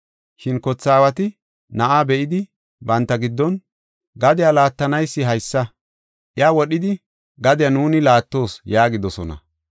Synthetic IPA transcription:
ʃɪnkɔt͡sːaːwɐt̪ɪ | nɐʔaːbɛʔɪd̪ɪ | bɐnt̪ːɐɡɪd̪ːɔn | ɡɐd̪ɪjalaːt̪ːɐnɐjsːɪɦɐjsːɐ | ʔɪjaːwɔɗɪd̪ɪ | ɡɐd̪ɪjɐnuːnɪlaːt̪ːo̞ːsjaːɡɪd̪ɔsɔnɐ̰

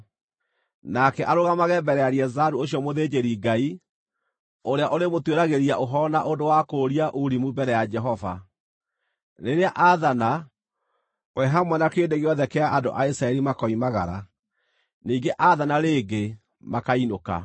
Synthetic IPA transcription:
nakɛʔaɾoɣamaɣɛːbɛɾɛaɾiɛzaɾuoɕjɔmoðed͡ʑeɾiɡai | oɾeaʔoɾemotweɾaɣeɾiaʔoɦɔnaʔondowakoɾiaʔuɾimubɛɾɛjad͡ʒɛɦɔva̰ | neɾeaʔaðana | wɛɦamwɛnakeːndeɣeɔðɛkɛaʔando̰ʔaisɾaɛɾimakɔimaɣa̰ɾa̰ | niːɡeʔaðanaɾeːɡe | makainoka̰

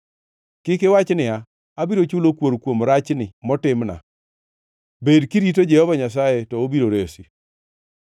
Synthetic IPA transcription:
kɪkɪwat͡ʃnɪa | abiɾot͡ʃulokwoɾkwomɾat͡ʃnɪmɔtɪmna̰ | bedkiɾitod͡ʒɛhɔvaɲas̬ajetɔobiɾoɾesi

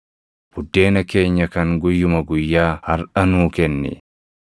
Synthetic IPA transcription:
b̥ʊd̪ːe̞ːnɐkeːɲːɐkɐŋɡʊjːʊmɐɡʊjːaːhɐɾʔɐnuːkɛnːɪ̰

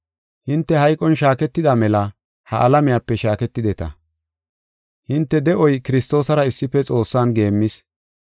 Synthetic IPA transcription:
hɪnt̪ːɛhɐjkʼːɔnʃaːkɛt̪ːɪd̪amɛlɐ | hɐʔɐlɐmɪjaːpːɛʃaːkɛt̪ːɪd̪ɛt̪ɐ̰ | hɪnt̪ːɛd̪ɛʔɔjkɪɾɪst̪o̞ːsɐɾɐɪsːɪpːɛt͡sʼo̞ːsːaːnɡe̞ːmːɪs

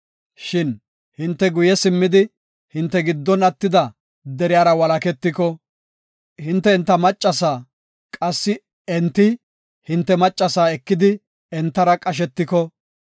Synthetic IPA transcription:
ʃɪn | hɪnt̪ːɛɡʊjɛsɪmːɪd̪ɪ | hɪnt̪ːɛɡɪd̪ːɔnɐt̪ːɪd̪ɐ | d̪ɛɾɪjaːɾɐwɐlɐkɛt̪ːɪkɔ | hɪnt̪ːɛɛnt̪ːɐmɐt͡ʃʼːɐs̬aː | kʼɐsːɪ | ɛnt̪ːɪ | hɪnt̪ːɛmɐt͡ʃʼːɐsaːɛkːɪd̪ɪ | ɛnt̪ːɐɾɐkʼɐʃ̬ɛt̪ːɪkɔ

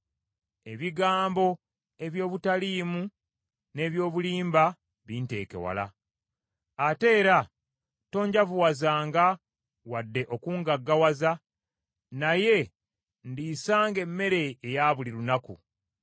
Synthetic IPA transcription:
e̞βiɡaːmbo̞ | e̞βjo̞ːβutaliːmu | ne̞ːβjo̞ːβuliːmba | βiːnte̞̰ːke̞̰wa̰la̰ | ate̞ːɾa | to̞ːɲɟavuwazaːŋɡa | wadːe̞ʔo̞kuːŋɡaɡːawaza | naje̞ | ndisaːŋɡe̞mːe̞ɾe̞ːjaːβuliɾunakṵ

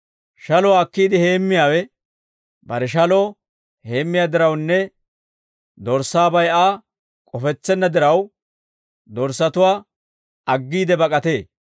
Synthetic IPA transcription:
ʃɐlɔːkːiːd̪ɪhe̞ːmːɪjaːwɛ | bɐɾɛʃ̬ɐloː | he̞ːmːɪjaːd̪ɪɾɐwnːɛ | d̪ɔɾsaːbɐjaː | kʼɔfɛt͡sːɛnːɐd̪ɪɾɐw | d̪ɔɾsɐt̪ʊwaː | ɐɡːiːd̪ɛbɐkʼɐt̪e̞ː

